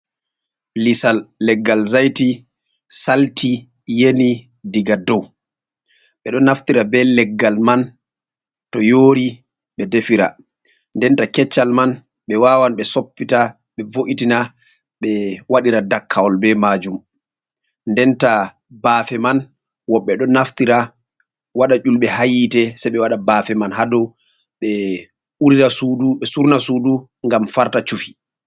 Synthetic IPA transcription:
lisalːɛɡːalzajti | saltijenidiɡadɔw | ɓɛɗɔnaftiɾabɛlɛɡːalman | tɔjoːɾi | ɓɛdefiɾa̰ | ndɛntakɛt͡ʃːalman | ɓɛwaːwanɓɛsopːita | ɓɛvoʔitina | ɓɛwaɗiɾadakʰːawɔlbɛmaːd͡ʒum | ndɛntabaːfɛman | wɔɓːɛɗɔnaftiɾa | waɗat͡ʃulɓɛhajitɛsajɓɛwaɗabafɛmanhadɔw | ɓɛ | uɾiɾasuduɓɛsuɾnasudu | ŋɡamfaɾtat͡ʃufi̥

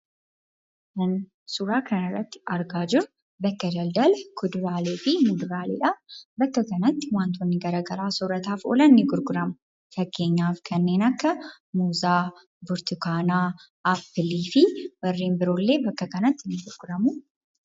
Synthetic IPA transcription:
kɐn | suɾaːkɐnɐrːɐt̪ːɪ̥ɐɾɡaːd͡ʒɪɾʊ | bɐkːɐd͡ʒɐld̪ɐlkʊd̪ʊɾaːleːfɪmʊd̪ʊɾaːlḛːᶑɐbɐkːɐkɐnɐt̪ːɪwaːnt̪ɔnːɪɡɐɾaːɡɐɾaːsɔɾɐt̪aːfo̰ːlɐnnːɪɡʊɾɡʊɾɐmʊ | fɐkːe̞ːɲːaːfkʰɐnːe̞ːnɐkːɐ | muːzaː | bʊɾt̪ʊkaːnaː | ʔɐpːɪliːfɪwɐrːeːmbɪɾoːlːe̞ːbɐkːɐkɐnɐt̪ːɪnːɪɡʊɾɡʊɾɐmʊ

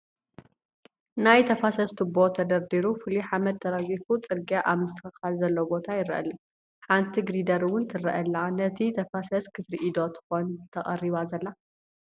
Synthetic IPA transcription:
najt̪ʰɐfasɐst̪ʰɨbot̪ʰɐd̪ɐɾd̪iɾufɨliħamɐd̪̚t̪ʰɐɾɐɡifut͡sʼɨɾɡiaʔaβmɨst̪ʰɨɐxɨxalzɐlːobo̞t̪ʰajɪɾɐʔɐ̰lɐ | ħant̪ʰiɡɾid̪ɐɾɨwʊnt̪ʰɨɾɐ̰ʔɐlːanɐt̪ʰit̪ʰɐfasɐskʰɨfɾiʔid̪ot̪ʰɨ̥xo̞nt̪ʰɐχʼɐriβazɐlːa

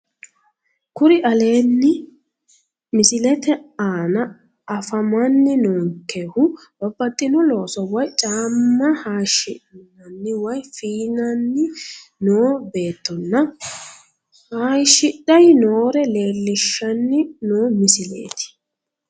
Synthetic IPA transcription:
kʊɾɪʔɐle̞ːnːɪ | mɪsɪlɛt̪ɛaːnɐ | ʔɐfɐmɐnːɪnoːŋkːehʊ | bɐbːɐt̪ʼːɪnɔlo̞ːsɔwɐjt͡ʃʼaːmːɐhaːʃɪnɐnːɪwɐjfiːnɐnːɪnoːbe̞ːt̪ːɔnːɐ | haːjʃɪɗɐjnoːɾɛle̞ːlːɪʃːɐnːɪnoːmɪsɪlḛːt̪ɪ̥

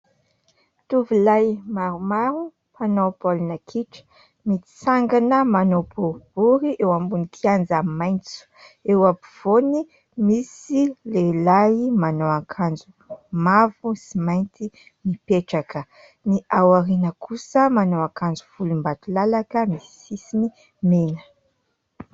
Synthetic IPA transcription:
t̪uvulajmaɾumaɾu | panowpolinakʰiʈ͡ʂə̥ | mit̪i̥saŋɡanəmanopoɾb̥uɾiʔewambunikʰiand͡zamajnt͡su̥ewapuv̥oni | misilelaimanowakʰand͡zu | mavusimajnt̪i | nipeʈ͡ʂakə | niʔawaɾinəkʰusəmanowakand͡zuv̥ulumbat̪ulalakəmisisini | menə̥

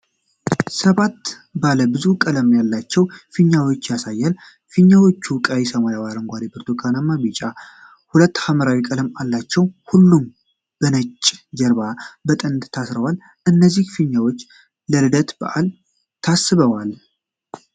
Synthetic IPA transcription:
səβat̪ | baləbɨzukʼələmjalːat͡ʃːɛwfɨɲːawo̞t͡ʃːjasajːal | fɨɲːawo̞t͡ʃːukʼajisəmajawaɾəŋɡʷad̪ibʰəɾt̪ʰokʰanamːabit͡ʃʼa | hulət̪ːhaməɾawikʼələmalːat͡ʃːɛwhulːum | b̥ənət͡ʃʼːd͡ʒɛɾbabət̪ʼənd̪t̪ʰasɾəwal | ʔɨnːəzːihfɨɲːawo̞t͡ʃː | ləɾɨd̪ət̪bə̰ʔal | t̪ʰasːɨβəwal

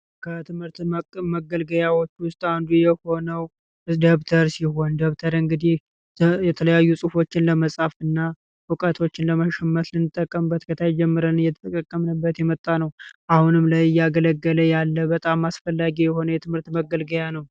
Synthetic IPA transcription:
kʰət̪ʰɨmhɨɾt̪məɡəlɡəjawot͡ʃːwʊst̪ʼand̪ujɛho̞nəw | d̪əβt̪ʰəɾsiɦo̞nd̪əβt̪ʰəɾɨŋɡɨd̪ih | jɛt̪ʰələjajːusʼɨfo̞t͡ʃːɪnləməsʼafɨnːa | wɨkʼət̪ʰo̞t͡ʃːɪnləməʃɛmːət̪lɨnːɨt̪ʼːəkʼːəmbːət̪kʰət̪ʰajd͡ʒɛmːɨɾənɨjɛt̪ʰət̪ʰʼəkʼəkʼːəmnəbːət̪jɛmət̪ʼːanəwʔahunɨmlajjaɡələɡːələjalːəbət̪ʼamːasfəlːaɡijɛho̞nəjɛt̪ʰɨmhɨɾt̪məɡːəlɡəjanəw

